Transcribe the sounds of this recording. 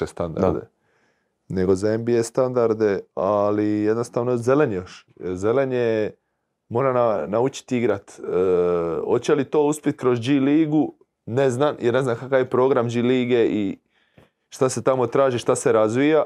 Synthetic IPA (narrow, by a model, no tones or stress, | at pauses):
est̪and̪a̰ɾd̪ḛ | ne̞ɡo̞zembije̞st̪and̪aɾd̪e̞alijed̪nost̪aːʋnoze̞le̞ɲejoʃ | ze̞leɲe | mo̞ːɾananaut͡ʃi̥t̪iɡɾat̪ː | ho̞t̪t͡ɕelit̪o̞ːuspʲit̪̚kɾo̞zd͡ʒiliːɡu | neznamjeɾne̞znamkakaʋjepɾo̞ːɡɾamd͡ʒiliːɡe̞i | ʃt̪ase̞t̪amo̞t̪ɾaːʒiʃt̪ase̞ɾazʋija